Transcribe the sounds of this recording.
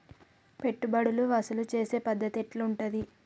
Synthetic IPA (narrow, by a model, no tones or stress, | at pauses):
pe̞ʈːubɐɽuluɐsɐlut͡ʃe̞ːse̞ːpɐd̪ːɐt̪eʈluuɳʈud̪i